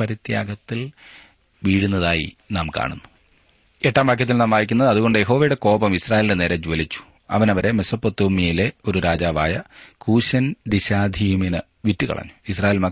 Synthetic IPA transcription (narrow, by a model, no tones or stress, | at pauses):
pɐɾit̪jaːɡɐt̪ːil | ʋiːɽunːɐðaːjḭnaːmka̰ːɳunːu̥ | eʈːaːmbɐkʰjɐt̪̬ːilnaːmaːjikʲːunːɐðɨɐðuɣo̞ɳɖɨje̞ɦo̞ːʋɐjuɽe̞ko̞ːbɐmisraːjːlndene̞ːɾed͡ʑuʋɐlit͡ɕːu̥ | ɐ̰ʋɐnɐʋɐɾe̞me̞sɐpːot̪ːoːmijile̞o̞ɾuɾaːd͡ʑaːʋaːjɐkuːɕɐndiɕaːd̪ʱiːmenɨ | ʋitːikɐ̰ɭɐ̰ɲːu̥is̬raːjeːlmɐ